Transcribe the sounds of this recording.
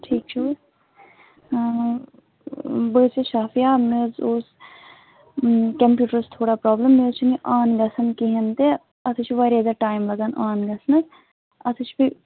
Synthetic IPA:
ʈʰiːkt͡ʃʰoːɾ | bəseʃaːfʰijaːmezos | kɐmpjuːʈəɾst̪ʰoːɽaːpɾaːbləmːezt͡ʃʰiniʔaːnɡɐsɐnkiɦɐnt̪e | ɐt̪ʰɨt͡ʃʰʋɐɾed̪ɐʈaːjmlɐɡaːnʔaːnɡɐsnɐz | ɐt̪ʰɨt͡ʃʰbi

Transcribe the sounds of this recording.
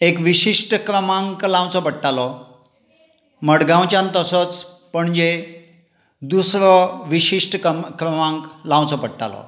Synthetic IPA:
ekʋiɕiʂʈəkɾəmãŋklãw̃t͡sɔpəɽʈːalɔ | məɽɡãw̃t͡ɕjãnt̪əsɔt͡s | pəɳd͡ʑe | d̪usɾɔʋiɕiʂʈkɾəmãŋklãw̃t͡sɔpəʈʈːa̰lɔ̰

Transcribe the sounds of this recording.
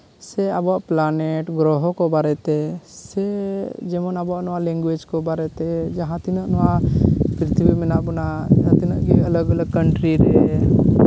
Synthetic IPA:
sɛabɔaʔplaneʈɡɾɔɦɔkɔbaɾɛt̪ɛsɛd͡ʒɛmɔnabɔaʔnɔwalɛ̃ŋɡwed͡ʒkɔbaɾɛt̪ɛd͡ʒaɦãt̪inaʔnɔwapɾt̪ʰibimɛnaʔbɔnaat̪inaʔɡɛələɡələɡ̚kəɳʈɾiɾɛɛ

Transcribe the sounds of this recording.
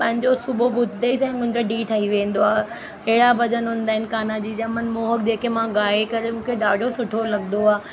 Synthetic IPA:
pɐ̃ɦɪ̃ɲd͡ʑosʊbobʱʊd̪ʱd̪eisɛ̃ːmʊ̃ɦɪ̃ɲd͡ʑoɖiːʈʰaiʋẽːn̆d̪oaː | ɦeːɽabɐd͡ʑənɦʊ̃ːn̆d̪aːɦɪnɪ̆kaːnad͡ʑiːd͡ʑamɐnmoːɦəkd͡ʑeːkemãɡaːekɐɾemũːkʰeɗaːɖʱosʊʈʰolɐɠnd̪oaː

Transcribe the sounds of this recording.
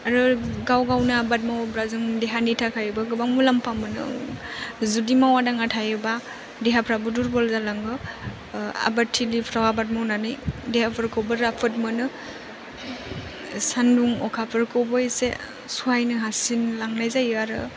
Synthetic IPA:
aɾɯɡawɡawnaabat̚mawbɾazɯŋdeɦanitʰakʰajɯbaɡɯbaŋmulampamɯnɯ̰ | zudimawadaŋatʰajɯba | deɦapʰɾabuduɾbɔlzalaŋɡɯ | a̰batʰːilipʰɾawabat̚mawnanɯjdehapʰɯɾkʰowbɯɾapʰɯt̚mɯnɯ | sanduŋɔkʰapʰɯɾkʰɔbɔjsḛ | suɦajnɯɦasinlaŋnajzajɯaɾɯ̰

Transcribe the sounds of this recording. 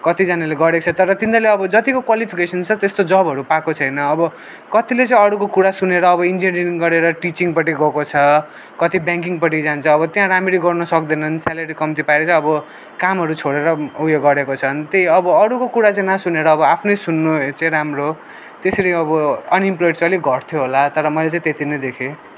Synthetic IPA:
kʌt̪id͡zaneleɡʌɽet͡sʰʌt̪ʌɾʌt̪ind̪ʌleʌbʌd͡zʌt̪ikokwalipʰikesʌnt͡sʰʌt̪est̪od͡zʌbʱɦʌɾupakot͡sʰʌjnʌːbʌ | kʌt̪ilet͡sãĩʌɽukokuɽasuneɾʌːβʌind͡ziniɾiŋɡʌɾeɾʌʈit͡siŋpʌʈ̬iɡʱʌkot͡sʰʌ | kʌt̪ibjãŋkiŋɡpʌʈ̬id͡zant͡sʰʌːβʌt̪jãɾamiɾiɡʌrnʌsʌkd̪ʌnʌnsalaɾikʌmt̪ipaeɾt͡sãʌbʌ | kamɦʌɾut͡sʰoɽeɾʌujeɡʌɾekot͡sʰʌnt̪ejʌbʌʌɽukokuɽat͡sãĩnasuneɾʌːbʌapʰnʌjsunːot͡sãĩɾamɾo | t̪eseɾijʌbʌʌnimplojɖt͡sʌliɡʱʌʈt̪ʰjoɦolat̪ʌɾʌmʌjlet͡sãĩt̪et̪inʌd̪ekʰe

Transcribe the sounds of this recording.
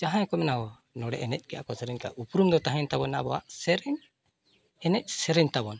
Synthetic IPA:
d͡ʒaɦaɲkɔmɛnaɦɔ | nɔɽɛ̰ʔɛnɛc̪̚ˀɡɛʔa̰kɔsɛɾɛɲka̰ʔupɾumd̪ɔt̪aɦɛɲt̪abɔnːabɔa̰ʔsɛɾɛɲ | ɛnɛc̚ˀsɛɾɛɲt̪abɔn

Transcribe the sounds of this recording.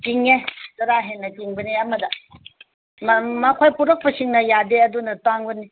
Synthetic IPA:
tiŋetɐɾaɦenːɐtiŋbɐniɐmɐdɐ | mmɐkʰojpuɾɐk̚pɐsiŋnɐjadeɐdunɐtaŋbɐni

